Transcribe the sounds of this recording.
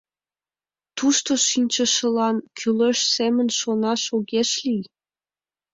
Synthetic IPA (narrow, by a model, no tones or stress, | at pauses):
t̪uʃt̪oʃinʲt͡ɕə̆ʃə̆lɑnkʰyleʃsemə̆nʃonɑʃoɣeʃlij